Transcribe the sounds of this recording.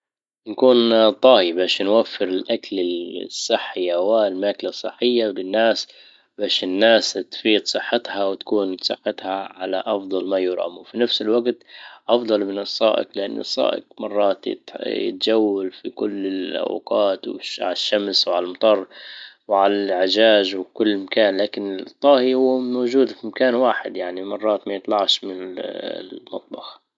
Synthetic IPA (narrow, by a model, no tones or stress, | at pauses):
nkuːnt̪ˤɑːhibaːʃnwafːɪɾɪlʔakalɪsˤːɨħːɪawalmaːkalasˤːɨ̰ħːɪjːawlɪnːaːs | baːʃɪnːaːst̪fiːd̪sˤɨħːɪt̪hawt̪ḁkuːnsˤɨ̰ħːɪt̪haʕala̰ʔɑfd̪ˤɑlmajʊɾʔa̰mufinafsɪlwaɡt̪ʔɑfd̪ˤɑlmɪnɨsˤːɑ̰ːʔɪ̰qlɪʔanːʔɨ̰sˤːɑ̰ːʔɪ̰qmɑrˤːɑːt̪jɪ̰t̪jɪ̰t̪d͡ʒawːalfikʊlːɪlʔa̰wqɑːt̪wɪ̰ʕa̰laʃːamswʕalalmɑt̪ˤɑrˤːwʕalalʕɪʒaːʒwkʊlːmakaːnlaːkɪnɪt̪ˤːɑːhihʊwːmaːʒuːd̪fimakaːnwaːħɪ̰d̪jaʕnimɑrˤːɑːt̪majɪt̪lɑʕʃmɪnɪ | mɑt̪ˤbɑx